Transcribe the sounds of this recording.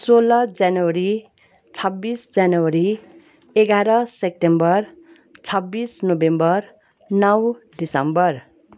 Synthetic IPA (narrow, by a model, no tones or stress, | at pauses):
solʌd͡zjanwʌɾi | t͡sʰʌbːisd͡zjanowʌɾi | eɡaɾʌsep̚ʈembʌr | t͡sʰʌbːisnobembʌr | nʌwɖisʌmbʌr